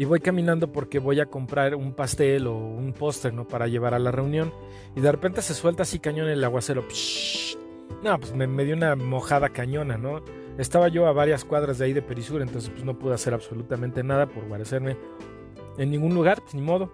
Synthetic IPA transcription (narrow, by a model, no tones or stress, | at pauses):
iβo̞jkamĩnãnd̪o̞po̞ɾke̞βo̞jako̞mpɾaɾumpast̪e̞lo̞unpo̞st̪eɾno̞paɾaʝe̞β̞aɾalare̞unjo̞n | iðe̞re̞pe̞nt̪e̞se̞swe̞lt̪asikaɲo̞nelaɣwase̞ɾo̞p | nopwesmeme̞ðjounamo̞xaðakaɲõ̞nano̞ | e̞st̪aβaʝo̞aβaɾjaskwaðɾazðeaiðepe̞ɾisuɾaent̪o̞nse̞spwezno̞puðo̞ase̞ɾaβso̞lut̪amẽnt̪e̞naðapo̞ɾɣwaɾe̞se̞ɾme̞ | enːiŋɡunluɣaɾnĩmo̞ð̞o̞